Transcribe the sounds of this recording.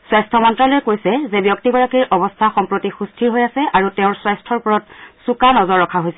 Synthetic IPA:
swajstʰɔmɔntɹalojɛkojsɛzɛbjɔk̚tibɔɹakiɹʔɔbɔstʰaxɔmpɹotixustʰiɹɦojasɛʔaɹutɛʊ̃ɹswajstʰɔɹpɔɹɔtsukanɔzɔɹːɔkʰaɦojsɛ

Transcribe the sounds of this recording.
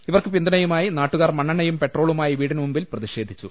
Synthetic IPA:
iʋɐrkɨpind̪ɐnɐjumaːjinaːʈːuɣaːrmɐɳːɐɳɐjumpe̞ʈro̞ːɭumaːjiʋiːɽinmumbilprɐðiɕeːd̪ʱit͡ɕːu

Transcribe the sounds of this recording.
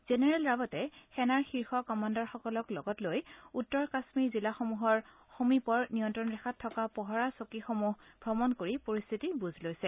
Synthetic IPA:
z̥enɛɹɛlɹabɔtɛxɛnaɹxiɹxɔkɔmandɔɹxɔkɔlɔklɔɡɔtlojutːɔɹkasmiɹzilaxomuɦɔɹ | xomipɔɹnijɔntɹɔnɹɛxʰatʰːɔkapɔɦɔɹasokixomuɦb̥ʱɹɔmɔnkoɹipoɹist̪ʰitibuzʱlojsɛ

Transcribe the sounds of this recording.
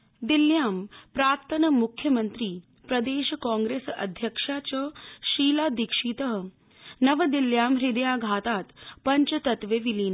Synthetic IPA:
d̪iljaːmpɾaːɾt̪ʰɐnɐmukʰjɐmɐnt̪ɾiː | pɾɐd̪eːʃɐkãːŋɡɾeːsɐ̰d̪ʱjɐkʂaːt͡ʃɐʃiːlaːd̪ikʂiːt̪əɦə̆ | nɐʋɐd̪iljaːmɾid̪ɐjaːɡʱaːt̪aːt̪pɐɲt͡ʃɐt̪ɐt̪ʋeːʋiliːn

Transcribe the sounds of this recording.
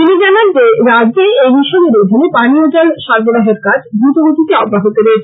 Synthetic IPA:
t̪inid͡ʑanand͡ʑeɾad͡ʑeejbiʃɔbeɾod̪ʱinepaniod͡ʑalʃaɾboɾaɦeɾkad͡ʑb̪ɾut̪oɡod̪it̪eɔɡɾaɦot̪eɾeet͡ɕʰ

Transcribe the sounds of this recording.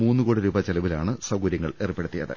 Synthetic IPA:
muːnːɨkoːɽiɾuːbɐt͡ɕelɐʋilaːɳɨsɐɡuɾjɐŋːɐɭeːrɨpːe̞ɽut̪ːijɐ̰ðɨ̰

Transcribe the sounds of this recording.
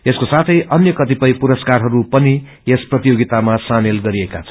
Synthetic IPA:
eskosat̪ʰʌjʔʌnjʌkʌt̪ipʌjpuɾʌskarɦʌɾupʌni | esprʌt̪ijoɡit̪amasamelɡʌɾieka̰t͡sʰʌ̥

